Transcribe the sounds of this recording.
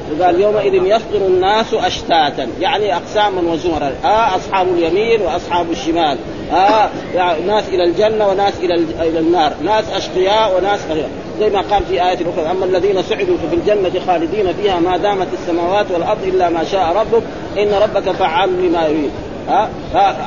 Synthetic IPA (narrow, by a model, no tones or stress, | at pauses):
wɪɡaːljoːmaʔɪðɪnjɑsˤd̪ˤɨɾanːaːsʔaʃt̪aːt̪anjaʕniʔɑqsaːmanwazuːɾˤɑnʔaːʔɑsˤħɑːbaljamiːnwɪʔɑsˤħɑːbaʃːɪmaːl | ʔa | anaːsʔɪlald͡ʒanːawɪnaːsʔɪlaɪlanːɑːɾˤnaːsʔɑʃq̪ɨjaːʔwɪnaːsʔaa | zajːmaqɑːlfiʔaːjaːt̪alʔʊxɾɑʔamːalːaðiːnasʊʕɪd̪ufafild͡ʒanːat̪xaːlɪd̪iːnafiːhamaːd̪aːmat̪asːamaːwaːt̪walʔɑɾˤd̪ˤʔɪlːamaːʃaːʔɾˤɑbːʊk̚ | ʔɪnːɾˤɑbːakafaʕːallimajʊɾiːd̪ | ʔa | a